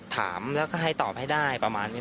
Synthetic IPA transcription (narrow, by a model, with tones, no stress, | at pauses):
t̪ʰa̰ː˩˦mlɛː˦˥wkɔː˥˩ɦa˥˩jt̪ɔː˨˩p̚ha˥˩jdaː˥˩jpɾa˧maː˧nːi˦˥